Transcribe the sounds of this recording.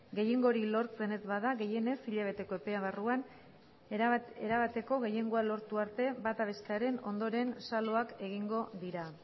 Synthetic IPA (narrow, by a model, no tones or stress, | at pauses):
ɡe̞jeŋɡo̞ɾilo̞ɾt͡se̞ne̞zβaðaɣe̞je̞ne̞siʎaβ̞e̞t̪e̞ko̞e̞pe̞aβaruan | eɾaβat̪e̞ko̞ɣe̞je̞ŋɡo̞alo̞ɾt̪uaɾt̪e̞bat̪aβ̞e̞st̪eaɾe̞no̞nd̪o̞ɾe̞nsalo̞ake̞ɣ̞iŋɡo̞ðiɾa